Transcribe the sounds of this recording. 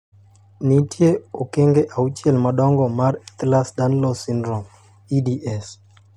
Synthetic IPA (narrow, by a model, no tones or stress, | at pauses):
nitjeokeŋɡeʔaut͡ʃjelmaɗɔŋɡɔmaɾɛt̪lasdanlɔsindɾɔm | idiʔɛs